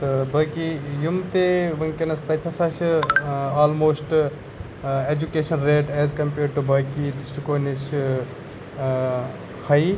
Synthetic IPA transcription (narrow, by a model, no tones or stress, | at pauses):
bɐːkijumt̪eʋɐnkenɐst̪ɐjt̪ʰɐsaʃ | aːlmoːsʈ | ed͡ʒukeːʃɐnɾeːʈɛːzkɐmpeːɾɖʈubɐːkiɖisʈikoːniʃ | kʰɐi